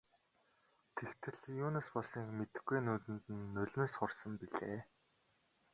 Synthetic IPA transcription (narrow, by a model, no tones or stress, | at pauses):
t̪ʰekt̪ʰɘ̆ɮjuːnăspɔɮssiːŋkmet̪ɘ̆xɡujnuːt̪ɘ̆nt̪ɘ̆nːɵɮʲmeːsχʊrsə̆mpiɮḛː